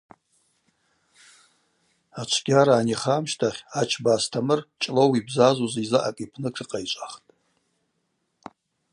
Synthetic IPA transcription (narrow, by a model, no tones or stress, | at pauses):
at͡ʃʷʰɡ̥ʲaɾaːniχamʃtʰaχʲat͡ʃʰbaːstʰamɨrt͡ʃʼlowibzazuzizaʔa̰kʼipʰnɨkʰɨqʼait͡ʃʷʼaχtʼ